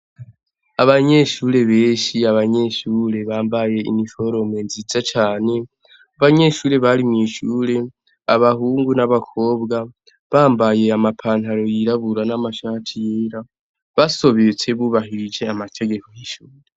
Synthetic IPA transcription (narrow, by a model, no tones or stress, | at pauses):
aβaɲe̞ʃuːɾe̞βe̞ːʃiaβaɲe̞ʃuːɾe̞βaːmbaje̞ḭnifo̞ɾo̞mwe̞nzizat͡ʃaːne̞ | aβaɲe̞ʃuːɾe̞βaɾimŋiːʃuːɾe̞ | aβahuːŋɡunaβakʰo̞ːbɡa | βaːmbaje̞amapʰaːn̥haɾo̞jiɾaβuɾanamaʃaːtʰijeɾa | βaso̞βet͡se̞βuβaɦiɾid͡ʒe̞amatʰe̞ɡe̞kojiʃuːɾe